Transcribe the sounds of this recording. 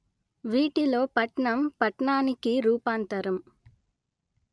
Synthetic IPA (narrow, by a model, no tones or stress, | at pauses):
ʋiːʈilo̞ːpɐʈɳɐmpɐʈɳaːnikiɾuːpaːnt̪ɐɾɐm